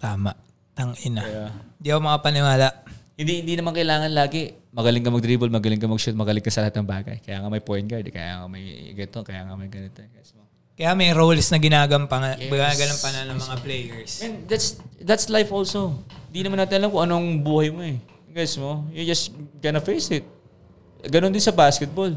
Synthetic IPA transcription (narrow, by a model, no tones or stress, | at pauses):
t̪aːmɐʔ | t̪ɐŋʔɪnɐjaɪnd̪iʔɐkomɐŋapɐnɪwaːlɐhɪnd̪ihɪnd̪inɐmankɐʔɪlaːŋɐnlaːɡɛ | mɐɡɐlɪŋkɐmɐɡ̚t̪ɾiːbɛlmɐɡɐlɪŋkɐmɐɡʃut̪̚mɐɡɐlɪŋkɐsɐlɐhat̪̚nɐŋbaːɡɐ̰jkɐjaːŋɐmɐjpojn̚ɡɐd̪kɐ̰ja̰ːŋɐmɐjɪ̰ɡɐt̪okɐjaːŋɐmɐjɡɐnɪt̪oɡajsmo | kɐjamɐjɾowlsnɐɡɪnaːɡɐmpɐŋɐɪɡaɡɐnɐmpɐnɐnɐmɐŋaplɛjɛɹsɛnd̪at̪sd̪ɐt̪slajfʔolso̞hhɪnd̪inɐmanaːt̪ɪnɐlamkʊŋʔɐnoŋbuːhɐjmoɛ | ɡajsmo̞jɛd͡ʒɐsɡ̥ɐnɐfejsɪt̪̚ | ɡɐnond̪ɪnsɐbaːskɛt̪̚bol